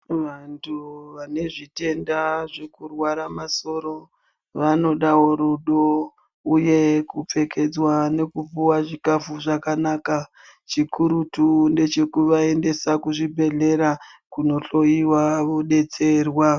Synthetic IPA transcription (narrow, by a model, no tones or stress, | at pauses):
ʋantuʋane̞ʐite̞ndaʐekurwaɾamaso̞ɾo̞ | ʋano̞ɗaɦo̞ɾuɗo | uje̞kup͡fe̞ke̞d͡zwane̞kupuwaʐikafuʐakanaːka | t͡ʃikuɾutunde̞t͡ʃe̞kuʋae̞nde̞sakuʐibʱe̞ɮe̞ɾakuno̞ɬo̞iwaʋo̞ɗe̞t͡se̞rwa